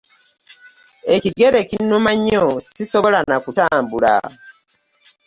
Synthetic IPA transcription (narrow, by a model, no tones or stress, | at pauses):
eciɡe̞ɾe̞cinːumaɲːosiso̞βo̞lanakutaːmbula̰